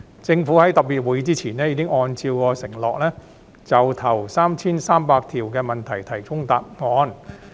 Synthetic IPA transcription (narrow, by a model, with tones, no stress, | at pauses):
t͡sɪ˧ŋfuː˨˥hɐ˨˥jt̪ɐ˨˩k̚piː˨t̚wu˨˥jt͡siː˥t͡sʰiː˨˩nɛː˥jiː˨˧kɪ˥ŋɔː˧nt͡sʰiː˧wkɔː˧sɪ˨˩ŋlɔː˨k̚lɛː˥ | t͡sɐ˨wt̪ʰɐ˨˩wsaː˥mt͡sʰiː˥nsaː˥mpaː˧k̚t̪ʰiː˨˩wkɛː˧mɐ˨˩nt̪ʰɐ˨˩jt̪ʰɐ˨˩jkʊ˥ŋt̪aː˨p̚ŋɔː˨˧n